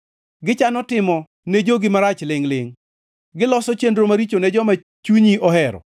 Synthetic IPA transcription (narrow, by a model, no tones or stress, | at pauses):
ɡɪt͡ʃanɔtɪmɔ | ned͡ʒoɡɪmaɾat͡ʃlɪŋlɪŋ | ɡɪlɔsɔt͡ʃendɾomaɾit͡ʃonɛd͡ʒɔma | t͡ʃuɲiɔɦɛɾɔ̰